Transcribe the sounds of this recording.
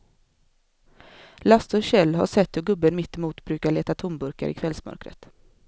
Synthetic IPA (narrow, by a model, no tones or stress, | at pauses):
last̪ɔɾɕɛlːɦa̰ʂɛt̪ːhɵɡɵbːənmɪt̪ːɪmuːt̪bɾʉːkaɭeːt̪at̪ʰʊmbɵɾka̰ɾʔɪ̰kʰvɛlsmœ̰ɾkɾə̰t̪